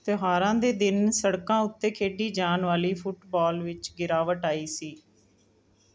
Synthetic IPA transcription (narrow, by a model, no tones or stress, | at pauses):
t̪ɪɦaːɾãːd̪eːd̪ɪnsəɽkãːʊt̪ːeːkʰeːɖiːd͡ʒaːnʋaːliːpʰʊʈbaːlʋɪt͡ʃɡɪɾaːʋəʈaːiːsiː